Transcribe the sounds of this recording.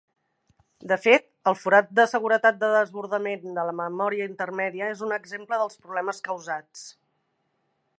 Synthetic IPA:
d̪əfet̪əlˠfuɾat̪̚d̪əsəɣ̞uɾət̪at̪̚d̪əðəzβuɾðəmend̪ələməmɔɾiəint̪ərmɛðiəezunəɡzempləðəlˠspɾuβlɛməskəwzat͡s

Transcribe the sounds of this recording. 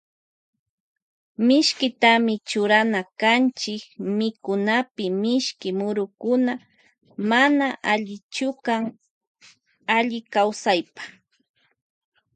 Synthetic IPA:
mɪʃkɪt̪amɪt͡ʃʊɾanakant͡ʃɪkmɪkʊnapɪmɪʃkɪmʊɾʊkʊna | manaʔaʎɪt͡ʃʊkaŋ | aʎɪkawsajpḁ

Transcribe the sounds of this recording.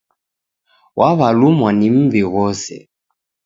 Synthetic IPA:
wʔaβalumwanim̩viɣɔsɛ̰

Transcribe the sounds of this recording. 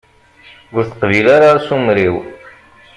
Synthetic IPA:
ʊɾθəqvilaɾaɾsumɾiw

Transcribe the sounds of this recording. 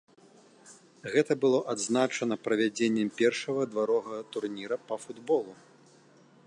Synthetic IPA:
ɣɛt̪ɐbɨlˠɔʔad̪znat͡ʂɐnɐpɾɐvʲad͡zʲenʲːɛmpʲɛrʂɐɣɐd̪vaɾɔɣɐɣɐt̪urnʲiɾɐpɐfud̪bɔlˠu

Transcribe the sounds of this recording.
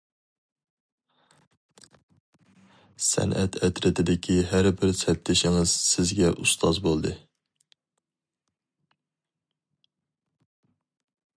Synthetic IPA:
sɛ̰nʔɛt̪ʰɛt̪ɾɪt̪ʰɪd̪ɪkʲʰiɦæɾbɪɾsɛt̪lɪʃɪŋɨz̥sɪzɡʲɛʔust̪ʰɑzbolˠd̪ɨ

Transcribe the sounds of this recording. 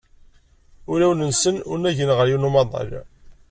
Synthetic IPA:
ʊɾæwənənsənʊɾnæʝənʁəɾjunumɑðˤɑ̰l

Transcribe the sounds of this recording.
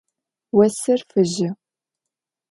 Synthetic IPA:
wɐsɨrfɨʑɪ

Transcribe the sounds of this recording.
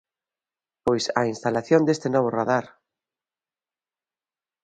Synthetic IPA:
pojsa̰inst̪alaθjond̪est̪enɔβ̞ʊraðaɾ

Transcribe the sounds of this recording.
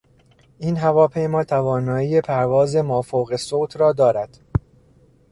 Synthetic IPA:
ʔiːnɦævɒːpʰe̞jmɒːt̪ʰævɒːnɒːiːjepʰæɾvɒːzemɒːfoːɣe̞soːt̪ʰɾɒːd̪ɒːɾæd̪̥

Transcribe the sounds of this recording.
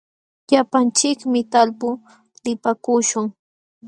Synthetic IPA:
ʎapant͡ʃɪkmɪt̪alpʊ | lɪpakʊʃʊŋ

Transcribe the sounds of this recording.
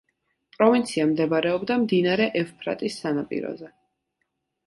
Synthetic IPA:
pʼɾɔvint̪sʰiamd̪ɛbɾɛɔbd̪amd̪inaɾɛʔɛfpʰɾa̰t̪ʼisːanapʼḭɾɔ̰zɛ

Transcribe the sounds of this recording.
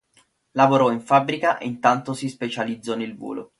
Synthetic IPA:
lavoɾɔiɱfabːɾikaʔḛint̪ant̪osispet͡ʃalid̪zːɔnelvo̰ːlʔo̰

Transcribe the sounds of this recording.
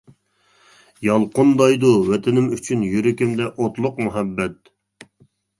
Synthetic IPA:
jɑlˠqʰʊnd̪ɑjd̪uwɛt̪ʰɪnɪmyt͡ʃʰynjyɾɪkʲimd̪ɛʔot̪lˠʊqmuɦɛbːɛt̪̚

